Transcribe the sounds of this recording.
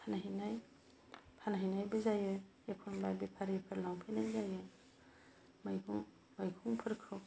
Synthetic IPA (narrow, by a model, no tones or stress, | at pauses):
pʰanaɦinaj | pʰanaɦinajbɐzajɯjekʰonbajbipʰaɾepʰɯɾlaŋpʰenajzajɯ | majuŋ | majkʰuŋpʰɯɾkʰɯw